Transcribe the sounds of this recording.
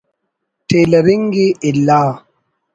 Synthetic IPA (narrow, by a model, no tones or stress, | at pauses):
telebiŋɡiilːaː